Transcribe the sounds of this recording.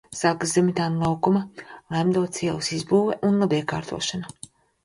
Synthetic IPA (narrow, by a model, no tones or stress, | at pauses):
saːkazemit̪aːnlˠawkumalˠamd̪uɔt̪sʲiɛlsizbuːveʔunlˠabiɛka̰ːɾt̪ṵɔʃana